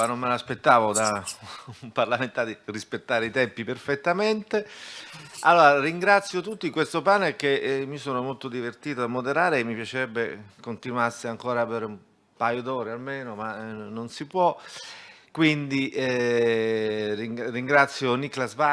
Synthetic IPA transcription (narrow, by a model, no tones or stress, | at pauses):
anomːelaspet̪ːaːvod̪a | mparlament̪ad̪irispet̪ːaːɾeit̪ɛmpiperfet̪ːament̪e | alːoːɾariŋɡɾat̪sːjot̪ut̪ːikwest̪opaːnek̟emːisoːnomolt̪od̪ivert̪iːt̪od̪amːod̪eɾaːɾeːmːipjat͡ʃeɾɛbːekont̪inwasiaŋkoːɾaːveːɾeum | pajod̪ɔːɾealmeːnomanonsipwɔ | kwind̪iʔ | ririŋɡɾat̪sːjoniklasva